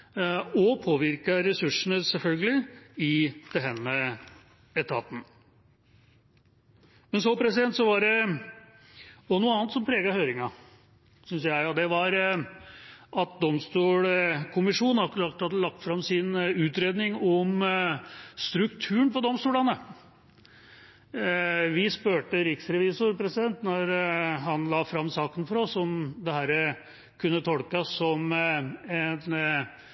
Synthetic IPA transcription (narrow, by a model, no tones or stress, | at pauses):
ɔpʰoːʋɪɾkɑɾɛsʉʂːəɳəsɛlfœlɡəlɪɪd̪̥ɛɦɛnːə | ɛt̪ʰɑ̰ːt̪n̩ | mɛnsopʰɾɛsɪd̪ɛnt̪sɔʋɑɖɛ | ɔnuːəɑːnt̪sɔmpʰɾeːɡɑhøːɾɪŋɑ | sʏnsjæɪɑd̪ɛʋɑɾ | ʔɑt̪̚d̪ɔmst̪uːlkʰʊmɪʂuːnɑkɾɑk̚t̪hɑd̪əlɑk̚t̪fɾɑmsɪnʉːt̪ɾeːd̪nɪŋɔm | st̪ɾʉkt̪ʰʉːəɳpɔd̪ɔmst̪uːlɑnə | ʋɪspøːʈəɾɪksɾɛʋiːsʊɾpʰɾɛsɪd̪ɛnt̪nɔɾɦɑnlɑːfɾɑmːsɑːkənfɔɾɔsɔmd̪ɛhæːɾə | kʰʉnːət̪ʰɔlkɑsːɔm | ɛn